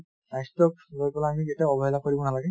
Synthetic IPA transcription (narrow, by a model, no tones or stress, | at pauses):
najstɔklojpɛlaːmiketaɔbɔɦɛlakoɹibɔnalaɡɛ